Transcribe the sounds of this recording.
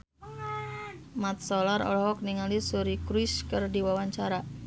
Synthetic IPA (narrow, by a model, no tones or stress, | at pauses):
mat̪̚solaɾɔ̰lɔɦɔk̚niŋalisuɾikɾiskɨrdiwawaɲt͡ʃaɾa